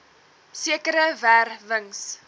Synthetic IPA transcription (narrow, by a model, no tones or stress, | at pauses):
siəkəɾəværvəŋs